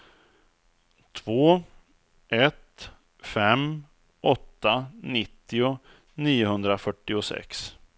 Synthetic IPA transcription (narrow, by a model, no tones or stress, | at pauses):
t̪ʰvoː | ʔɛt̪ | fɛm | ʔɔt̪ːanɪt̪ːɪʊ | niːʊɦɵnd̪ɾafœʈːɪʊsɛ̰ks